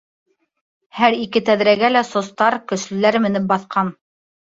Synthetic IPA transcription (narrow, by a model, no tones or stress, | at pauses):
hæɾikɘt̪æðɾæɡælæsŏst̪ɑɾkɵ̆ʃlɘ̆læɾmɘ̆nɘp̚bɑθqɑn